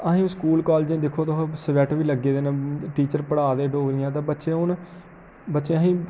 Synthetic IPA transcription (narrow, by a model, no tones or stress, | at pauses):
əɦĩːskuːlkɔːlːd͡ʒẽːd̪ɪkʰoːt̪aɦsəʋɛʈʋiːləɡːeːd̪eːnãːʈiːt͡ʃəɾpəɽaːd̪eːɖoːɡɾɪjãːt̪ãːbətːʃeːʊn | bətːʃeːəɦĩː